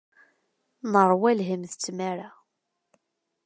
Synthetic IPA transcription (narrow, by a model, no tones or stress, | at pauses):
nəɾˤwælɦəmθət͡sːmæɾa